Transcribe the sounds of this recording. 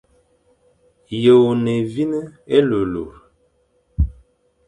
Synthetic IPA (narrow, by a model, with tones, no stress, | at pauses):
jo˨o˨ne˨vi˦nə˦e˦lo˨lo̰˨ɾ